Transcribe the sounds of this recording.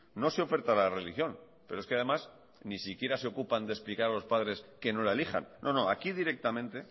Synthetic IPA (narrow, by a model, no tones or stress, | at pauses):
no̞seo̞fe̞ɾt̪alare̞lixjo̞n | pe̞ɾoeskeað̞e̞mas | nisikje̞ɾase̞o̞kupand̪esplikaɾalo̞spaðɾe̞ske̞no̞laelixa̰nːo̞no̞akiðiɾe̞k̚t̪amẽnt̪e̞